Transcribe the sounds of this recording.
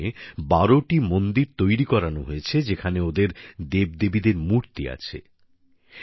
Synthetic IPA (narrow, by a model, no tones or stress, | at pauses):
ebaɾoʈimond̪iɾt̪ojɾikɔɾanoɦoet͡ɕʰed͡ʑekʰaneod̪eɾd̪eb̚d̪ebid̪eɾmuɾt̪ia̰t͡ɕʰḛ